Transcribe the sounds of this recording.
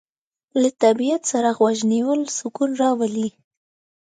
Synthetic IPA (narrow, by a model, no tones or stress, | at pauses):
lat̪abijat̪saɾaɣwaʒniwəlsʊkunɾɑwali